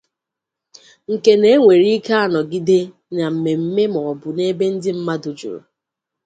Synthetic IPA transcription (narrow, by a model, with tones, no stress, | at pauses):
ŋ̩˨ke˦ne˦ŋʷe˨ɾi˦ke˦a˦nɔ˨ɡi˦de˦ | na˨m̩˨me˨m̩˦me˦mɔ˨bʊ˨ne˦be˦n̩˦dɪ˦m̩˦ma˦dʊ˨d͡ʒṵ˨ɾṵ˨